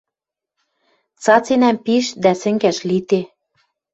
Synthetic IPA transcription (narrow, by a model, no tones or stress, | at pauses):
t͡sɑt͡senæmpiʃd̪æsɘ̆ŋɡæʃlit̪e